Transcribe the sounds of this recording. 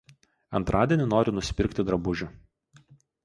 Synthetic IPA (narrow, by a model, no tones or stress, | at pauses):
ɐnt̪ɾʔɑːd̪ʲiɛnʲɪnoːɾʲɪnʊsʲɪ̥pʲɪɾʲkʲt̪ʲɪd̪ɾɐbʊʒʲʊ